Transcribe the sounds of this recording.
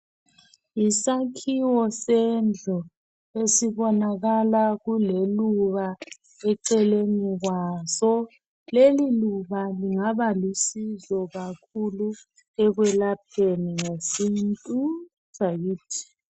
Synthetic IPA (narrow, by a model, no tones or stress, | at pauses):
isakʰiwɔsɛnd͡ɮʱɔ | esiβɔnaɣalaɣuleluβa | ɛǀɛleniɣwazɔ | leliluβaliŋaβalisizɔɣakʰulu | ɛɣwɛlap̚ʰeniŋesintʼu̥ | ʒ̥ʱajiːtʰi̥